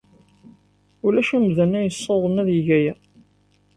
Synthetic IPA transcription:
ʊlæʃæmðənːæjəsˤːoðˤəmæðjəʝæjæ

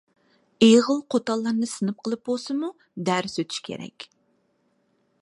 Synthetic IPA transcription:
eʁəlˠqʰot̪ɑlˠːɑɾnɨsɨnɨp̚qʰəlˠɨp̚bolˠsɨmu | d̪æɾsøt̪ʰy̥ʃkʲʰḛɾɛ̰kʲ

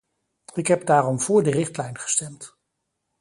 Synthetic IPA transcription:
ɪkɦɛp̚daːrɔmvʊːɹdərɪχtlɛjnχə̥stɛmt

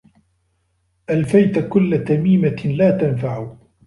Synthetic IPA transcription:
ʔalfajt̪kʊlːat̪amiːmalaːt̪anfaʕʊ

